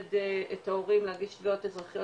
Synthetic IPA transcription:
deetaoʁimlehaɡidʃviotezʁaχjo

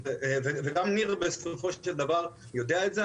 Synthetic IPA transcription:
veveɡamniʁbesfifoʃʃeld̪avaʁ | jod̪eaetze

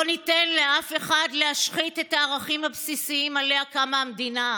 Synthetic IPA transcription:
onite̞nle̞ʔafe̞χadleaʃχite̞taːʁaχimhabsisiimaleakamamd̪ina

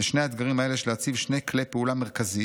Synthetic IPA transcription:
eʃne̞jaed̪ɡaʁimaeleʃelehat͡sivʃne̞jklejpeulameʁkazi

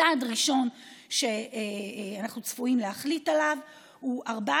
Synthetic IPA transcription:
adʁiʃo̞nʃe̞ | anaχnut͡sfuimlehaχlitalav | huaʁba

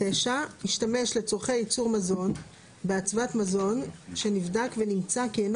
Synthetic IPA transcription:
eʃaiʃtame̞ʃle̞t͡soʁχejit͡suʁmazo̞n | beat͡svatmazo̞nʃe̞nivdakve̞nimt͡saken

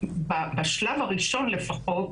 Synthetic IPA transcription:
babaʃlavaʁiʃo̞nle̞faχo̞t

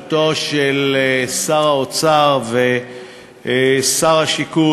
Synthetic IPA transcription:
toʃelsaʁaot͡saʁve | saʁaʃiku

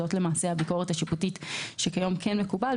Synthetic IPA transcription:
o̞tlemaːse̞habiko̞ʁethaʃiputitʃekajo̞mkʰenmekuba

